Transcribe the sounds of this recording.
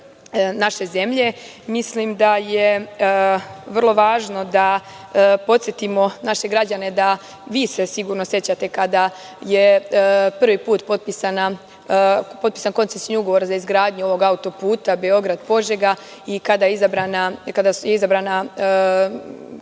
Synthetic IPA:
naʃe̞ze̞mʎe̞ | mislimd̪aje | ʋər̩lˠo̞ʋaːʒno̞d̪a | po̞t̪sjet̪imo̞naʃe̞ɡɾad͡ʑane̞d̪a | ʋiːsesiɡuːɾnosje̞t͡ɕat̪e̞kad̪a | jepr̩ʋipuːt̪po̞t̪̚pisana | pot̪pi̥ːsanko̞nt̪sesnuɡo̞ʋo̞ɾazaizɡɾaːd̪ɲuo̞ʋo̞ɡaut̪o̞puːt̪abeo̞ɡɾad̪po̞ʒeɡa | ikad̪ajeizabɾanakad̪asjeizabɾaːna

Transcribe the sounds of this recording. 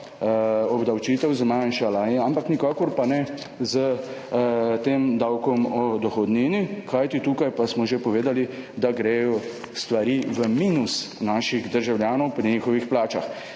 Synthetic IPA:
ɔbd̪awt͡ʃiːt̪ɛwzmanʃalainampaknikakɔɾpanɛ | zə | t̪eːmd̪awkɔmɔd̪ɔxɔd̪niːnikajt̪it̪uːkajpasmɔʒepɔʋeːd̪alid̪aɡɾɛjɔ | st̪ʋaɾiʋəmiːnusnaːʃiɣd̪əɾʒawljaːnɔwpɾiɲiːxɔʋixplaːt͡ʃax

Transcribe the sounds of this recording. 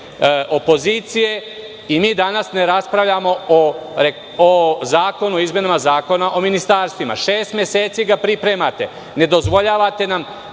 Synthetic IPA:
ʔo̞po̞ziːt̪sije̞ | imiːd̪anasne̞ɾaspɾaʋʎamo̞oɾe | ozaːko̞nuoizme̞namazaːko̞naʔo̞minist̪aːɾst̪ʋima̰ʃeːst̪mʲje̞seːt̪siɡapɾipɾe̞mat̪e̞ | ne̞d̪o̞zʋo̞ʎaːʋat̪e̞nam

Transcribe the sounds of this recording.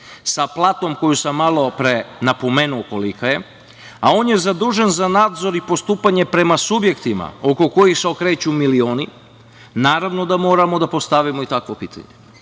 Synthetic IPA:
saplˠaːt̪o̞mko̞jusamːalˠo̞pɾenapo̞me̞ːnuokolikaje̞ | ao̞ːnje̞zad̪uːʒenzanaːd̪zo̞ɾipo̞st̪uːpaɲe̞pɾe̞masubje̞kt̪ima̰o̞ko̞ko̞jixseo̞kɾe̞ːt͡ɕumilio̞ːni | naːɾaʋno̞d̪amo̞ːɾamod̪apo̞st̪aʋimoit̪akʋo̞piːt̪ʰa̰ɲe

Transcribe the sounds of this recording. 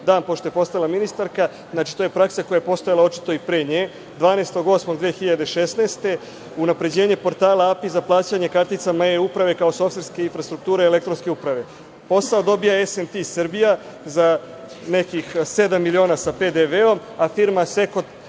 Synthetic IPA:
d̪aːnpo̞ʃt̪oepo̞st̪ajalaminist̪aɾka | znaːt͡ʃi̥t̪oje̞pɾaksako̞jajepo̞st̪o̞jalao̞t͡ʃi̥t̪o̞ipɾeːɲeː | d̪ʋaːneːst̪o̞ɡo̞smoɡd̪ʋeːxiʎad̪eʃesneːst̪e̞ | unapɾe̞d͡ʑeːɲe̞po̞ɾt̪aːlaapizaplˠaːt͡ɕaɲe̞kaɾt̪it̪samaeupɾaʋe̞kaoso̞fsɾske̞infɾast̪ɾuk̚t̪uːɾeele̞kt̪ɾo̞nske̞upɾaʋe̞ | po̞saod̪o̞bijaesent̪isɨrbija | za | ne̞kixsed̪amːilio̞ːnasape̞d̪eʋeo̞m | afiɾmase̞kot̪

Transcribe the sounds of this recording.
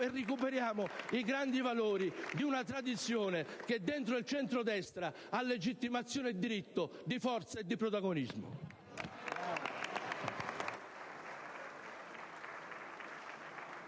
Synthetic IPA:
erːikupeɾjaːmʊiɡɾand̪ivaloːɾid̪iunat̪ɾad̪it̪sːjoːneked̪ːent̪ɾʊilt͡ʃɛnt̪ɾʊd̪ɛst̪ɾa | alːed͡ʒit̪ːimat̪sːjoːned̪ːiɾit̪ːʊd̪ifɔrt̪saed̪ːipɾot̪aɡonizmʊ̰

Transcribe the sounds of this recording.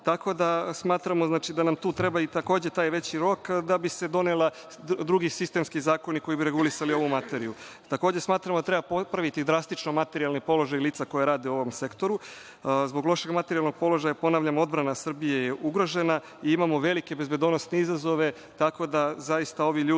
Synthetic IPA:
t̪ako̞d̪asmaːt̪ɾamoznaːt͡ʃid̪anamt̪uːt̪ɾe̞bait̪ako̞ːd͡ʑe̞t̪aːjʋe̞t͡ɕiɾo̞kd̪abise̞d̪o̞nela | d̪ɾuɡisist̪e̞mskizaːko̞niko̞jibiɾe̞ɡulisalio̞ʋumat̪eɾiju | t̪ako̞ːd͡ʑesmaːt̪ɾamod̪at̪ɾe̞bapopɾaʋit̪id̪ɾast̪it͡ʃno̞mat̪e̞ɾialnipo̞lo̞ʒajiliːt̪sako̞jaɾaːd̪euo̞ʋo̞mse̞kt̪o̞ɾu | zbo̞ɡlo̞ʃe̞ɡmat̪eɾialˠno̞ɡ̥̚po̞lo̞ʒajapo̞naʋʎamo̞d̪bɾanasr̩bijejeʔuɡɾo̞ʒe̞na | iimamo̞ʋe̞like̞be̞zbe̞d̪onosneizazo̞ʋe̞ | t̪ako̞d̪azaist̪ao̞ʋiʎuː

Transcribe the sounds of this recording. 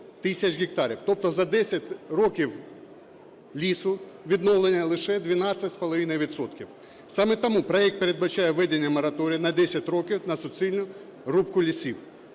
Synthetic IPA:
t̪ɪsʲɐt͡ʃɣʲɪk̚t̪ɑɾʲiwt̪ɔp̚t̪ɔzɐd̪ɛsʲɐtʲrɔkʲiw | lʲisʊ | ʋʲid̪nɔwlˠenʲɐlˠɪʃɛd̪ʲʋʲinɑt͡sʲːɐtʲspɔlˠɐʋinɐjʋʲid̪sɔt̪kʲiw | sɑmɛt̪ɐmupɾɔɛk̚t̪̚peɾed̪̚bɐt͡ʃɑjɛʋɛd̪enʲːɐmɐɾɐt̪ɔɾʲijɐnɐd̪ɛsʲɐtʲɾɔkʲiwnɐsɔsʲilʲnʊ | rupkʊlʲisʲiw

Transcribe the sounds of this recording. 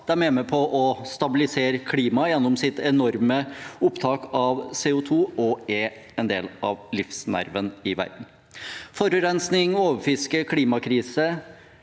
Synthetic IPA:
d̪̥ɛæːɾmɛːməpʰɔʔɔst̪ɑbɪlɪseːɾəkʰliːmɑjɛnːʊmsɪt̪ɛnɔɾməʊpt̪ʰɑːkɑʋseːʊt̪ʰuːɔɛ | ɛnd̪ḛːlɑ̰ʋlɪfsnæ̰ɾʋənɪʋæ̰ɾɖ̪n̩ | fɔɾəɾɛnsnɪŋoːʋəɾfɪskəkʰliːmɑkʰɾiːsə

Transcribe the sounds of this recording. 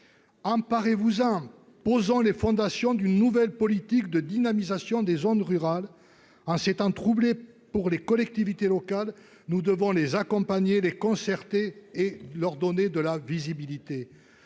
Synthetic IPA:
ɑ̃paʁevuzɑ̃ | pozɔ̃lefɔ̃d̪asjɔ̃d̪ynːuvɛlpɔlit̪ikd̪əd̪inamizasjɔ̃d̪ezonʁyʁal | ɑ̃set̪ɑ̃t̪χuble | puʁlekɔlɛk̚t̪ivit̪elɔkal | nud̪əvɔ̃lezakɔ̃paɲelekɔ̃sɛʁt̪eː | lœʁd̪ɔned̪əlavizibilit̪e

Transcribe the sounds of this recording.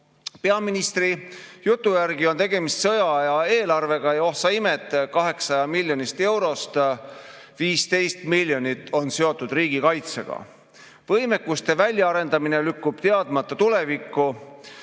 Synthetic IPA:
pe̞ɑminist̪rijut̪ːˑujærɡio̞nt̪e̞ɡ̥e̞mist̪sɤ̞jɑjɑe̞ːlɑrve̞ɡ̥ɑjɑo̞hsɑimet̪ːˑkɑɦe̞ksɑjɑmilʲːjo̞nist̪e̞wɾo̞st̪ | viːst̪e̞jst̪milʲjo̞nit̪ːˑo̞nse̞o̞t̪ːˑud̪̥riːɡ̥ikɑjt̪sḛɡ̥ɑ̰ | vɤjmekːust̪e̞vælʲjɑɑɾe̞nd̪̥ɑmine̞lykːub̥t̪e̞ɑd̪̥mɑt̪ːˑɑt̪ule̞vikːˑu

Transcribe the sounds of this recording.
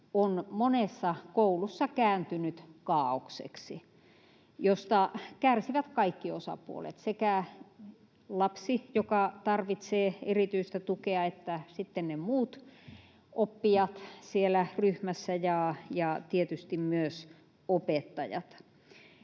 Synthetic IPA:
onmonesːɑkoulusːɑkæːnt̪ynyt̪kɑːoksḛksi | jost̪ɑkærsiʋæt̪kɑikːiosɑ̰pṵo̰lḛt̪sekæ | lɑpsijokɑt̪ɑrʋit̪seːerit̪yist̪æt̪ukeɑet̪ːæsit̪ːennemuːt̪ | opːijɑt̪sielæryhmæsːæjɑjɑt̪iet̪yst̪immyøs | opet̪ːɑjɑ̰t̪

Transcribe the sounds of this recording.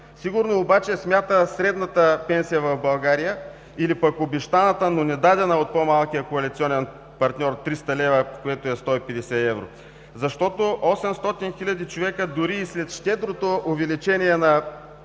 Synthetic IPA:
siɡʊɾnoːbat͡ʃɛsmʲjat̪əsɾɛd̪nət̪əpɛnsijəvɐvbɐlˠɡaɾijə | ilipɐkobɛʃt̪anət̪ənonɛd̪ad̪ɛnəot̪̚pomalˠkijəkoɐlit̪siɔnɛn | pɐɾt̪nʲɔɾt̪ɾist̪ɐlɛvəkoɛt̪oɛst̪ɔipɛd̪ɛsɛɛvɾo̰ | zɐʃt̪ɔt̪oʔɔsɛmst̪ɔt̪inxilʲɐd̪it͡ʃovɛkəd̪ʊɾiːslɛt̪ʃt̪ɛd̪ɾot̪oʔovɛlit͡ʃɛnʲiɛnɐ

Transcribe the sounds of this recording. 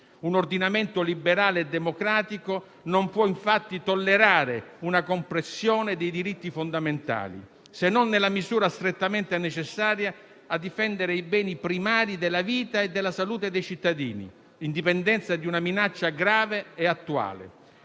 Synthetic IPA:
unord̪inament̪olibeɾaːleːd̪ːemokɾaːt̪iko | nompwɔiɱfat̪ːit̪olːeɾaːɾeunakompɾesːjoːned̪ejd̪iɾit̪ːifond̪ament̪a̰ːlḭ | senːɔnːelːamizuːɾast̪ɾet̪ːament̪enet͡ʃesːaːɾjaː | d̪ːifɛnd̪eɾeibɛːnipɾimaːɾid̪elːaviːt̪aed̪ːelːasaluːt̪ed̪ejt͡ʃit̪ːad̪ḭːnḭ | ind̪ipɛnd̪ɛnt̪sad̪iunaminat͡ʃːaɡɾaːveɛat̪ːua̰ːlḛ

